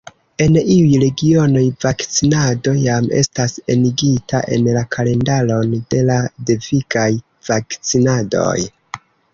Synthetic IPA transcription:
e̞niujɾe̞ɡio̞no̞jvakt͡sinado̞jamḛstase̞̰niɡitʰa̰ʔe̞̰nlakʰale̞ndalo̞nde̞lade̞vikaj | vakt͡sinado̞̰j

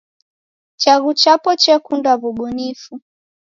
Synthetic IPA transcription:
t͡ʃaɣut͡ʃapɔt͡ʃɛkundwavuɓunifu

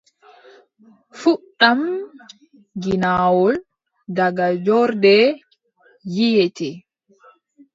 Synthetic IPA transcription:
fuɗam | ɡinawɔl | daɡad͡ʒɔɾdɛ | jijɛtɛ

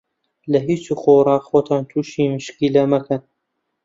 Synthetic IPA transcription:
lɐɦiːt͡ʃuxorɑːxoːt̪ʰɑːnt̪ʰuːʃiːmɨʃkiːlɐmɐkʰɐn

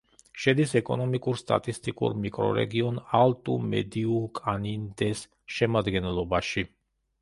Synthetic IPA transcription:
ʃɛd̪isɛkʼɔnɔmikʼuɾst̪ʼa̰t̪ʼist̪ʼikʼṵɾmikʼɾɔ̰ɾɛ̰ɡiɔnalˠt̪ʼumɛ̰d̪iukʼanind̪ɛs | ʃɛmad̪ɡɛnlˠɔbaʃi

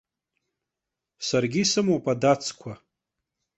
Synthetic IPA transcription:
sarɡʲisɨmopʼadat͡sʰʼkʷʰa

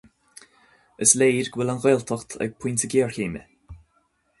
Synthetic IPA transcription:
əsleːɾɡwɪlanɣɔjlt̪ʰɔxt̪ʰa̰ɡ̥̚pʰujnt̪əɡeːɹkeːmə̰

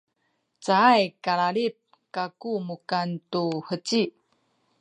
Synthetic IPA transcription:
t͡saajkaɭaɭip̚ | kakumukantuhət͡ɕi

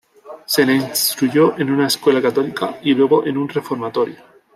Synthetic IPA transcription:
seneinst̪ɾuʝoʔenunaeskwe̞lakat̪olikailwe̞ɣ̞oʔenunre̞fo̞ɾmat̪oɾjo

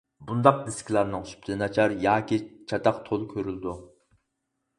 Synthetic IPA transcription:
bund̪ɑq̚d̪eskʲilˠɑɾnɨŋoʃy̥p̚t̪ʰɪnɑt͡ʃʰɑɾjɑːkʲit͡ʃʰɑt̪ɑqt̪ʰolˠkʲʰøɾyld̪u

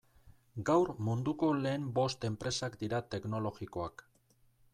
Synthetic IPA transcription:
ɡawɾmund̪uko̞le̞ːmbo̞st̪e̞mpɾe̞sakd̪iɾat̪e̞kno̞lo̞ɣiko̞ak

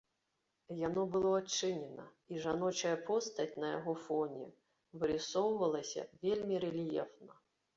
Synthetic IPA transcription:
janɔbɨlˠɔɐt͡ʂːɪnʲɛnɐ | iʐanɔt͡ʃɐjɐpʰɔst̪ɐtʲnɐja̰ɣɔfɔnʲɛ̰ | vɨɾʲɪsɔwvɐlˠɐsʲɐ̰vʲelʲmʲiɾɛlʲijɛ̰fnɐ

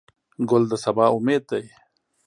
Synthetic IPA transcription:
ɡʊld̪əsɐbaːʊmeːd̪̚d̪aj

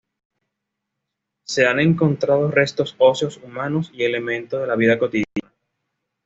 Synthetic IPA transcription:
se̞ane̞ŋko̞nt̪ɾað̞o̞re̞st̪o̞so̞sjo̞sumãno̞sie̞le̞mẽ̞nt̪oðe̞laβ̞iðako̞t̪iðjana

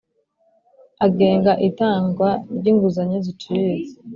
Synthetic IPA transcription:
aɡe̞ːŋɡaʔitaːŋɡwaɾɟiːŋɡuzaɲezit͡ʃize

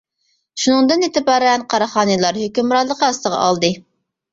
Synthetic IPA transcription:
ʃunɨŋd̪ɨnet̪ʰɪbɑːɾɛnqʰɑɾɑχɑːnɨlˠɑɾhøkʲymɾɑɾlˠəqʰəɑst̪əʁɑ̰ʔɑ̰lˠd̪ɨ

